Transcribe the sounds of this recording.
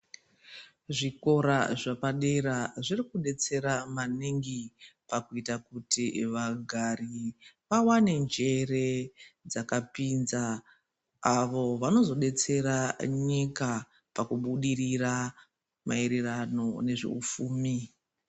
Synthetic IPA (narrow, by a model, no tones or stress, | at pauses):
ʐiko̞ɾaʐapaɗe̞ɾaʐirikuɗe̞t͡se̞ɾamaniŋɡipakuitakutiʋaɡʱariʋawane̞nd͡ʒe̞re̞d͡zakapinzaː | ʋo̞ʋano̞zo̞ɗe̞t͡se̞ɾaɲika | pakuɓuɗirira | maiɾirano̞ne̞ʐḛṵfuːmi